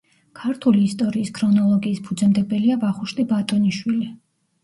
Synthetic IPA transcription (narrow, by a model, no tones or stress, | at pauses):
kʰaɾt̪ʰuliːst̪ʼɔɾiːskʰɾɔnɔlˠɔɡiːspʰud̪zɛmd̪ɛbɛliabaχuʃt̪ʼibat̪ʼɔniʃwili